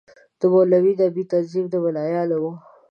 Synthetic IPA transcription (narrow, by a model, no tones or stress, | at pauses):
d̪̥əmolawid̪abit̪azibd̪əwɪlɑjɑlawo